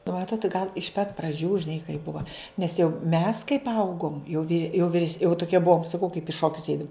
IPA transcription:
nʊ ˈmɑːtoːt ɡɐlˠ ɪʃ pɐt prɐˈd͡ʒʲuː ʒʲɪˈnɐɪ kɐɪ ˈbʊʋɐ nʲɛs jɛʊ mʲɛs kɐɪp ˈɐʊɡoːm jɛʊ ʋʲɪ jɛʊ ʋʲɪˈrʲɛs jɛʊ tʊˈkʲiɛ ˈbuɔm sɐˈkɐʊ kɐɪp ɪ ˈʃoːkʲʊs ˈɛɪdʊm

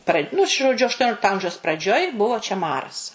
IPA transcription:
prɐ nʊ ʒoːˈd͡ʒʲʊ ɐʃˈtoːnʲoːlʲɪktoː ˈɐmʲʒʲɛʊs prɐˈd͡ʒʲoːj ˈbʊʋoː t͡ʃʲɛ ˈmɑːrɐs

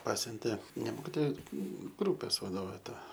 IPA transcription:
ˈpɑːsʲʊnʲtʲeː nʲɛ ˈmoːkʲɪtoːjɛ ˈɡruːpʲeːs ʋɐˈdoːʋʲeː ˈtɐ

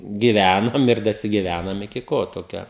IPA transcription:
ɡʲɪˈʋʲænoːm ɪr dɐsʲɪɡʲɪˈʋʲænoːm ɪkʲɪ ˈkoː toːˈkʲoː

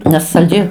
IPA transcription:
nʲɛs sɐlʲˈd͡ʒʲɛɪ

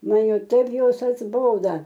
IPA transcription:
ˈmɐn ˈjɛʊ ˈtɐɪp ˈjoːs ɐdzˈboːdɐ

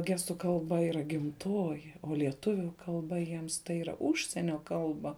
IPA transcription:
ˈɡʲæːstʊ kɐlˠˈbɐ iːˈrɐ ɡʲɪmˈtoːjɪ oː lʲiɛˈtʊʋʲʊ kɐlˠˈbɐ jiɛms tɐɪ iːˈrɐ ˈʊʃʲsʲiɛnʲoː ˈkɐlˠbɐ

